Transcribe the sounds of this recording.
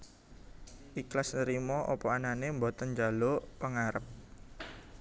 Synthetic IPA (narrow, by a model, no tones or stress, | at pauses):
ʔiklasnəɾimɔʔɔpɔananembot̪ənd͡ʒalopəŋaɾəp̚